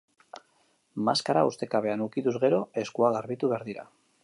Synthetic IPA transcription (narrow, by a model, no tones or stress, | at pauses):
maskaɾaust̪e̞kaβe̞anukit̪uzɣe̞ɾo̞e̞skuaɣaɾβit̪uβe̞aɾðiɾa̰